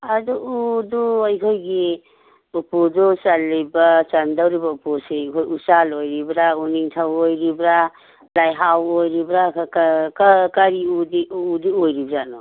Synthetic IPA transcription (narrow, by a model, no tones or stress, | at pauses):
adɔudɔajkʰojɡi | upudɔsalːibat͡ʃandawɾibaupusejkʰojusalojɾibɾauniŋtʰawojɾibɾa | lajɦawojɾibɾakʰakkakaɾiudiːdiojɾibɾanɔ